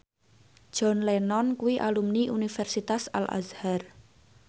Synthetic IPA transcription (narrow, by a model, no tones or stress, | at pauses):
ʒ̥ɔ̤nlenɔnkuwiʔalumniʔunifɛrsit̪asa̰lʔa̰zhar